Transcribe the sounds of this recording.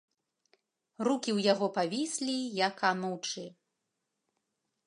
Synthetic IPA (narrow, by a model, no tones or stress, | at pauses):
rukʲiwjaɣɔpavʲisʲlʲijakanuwt͡ʂɨ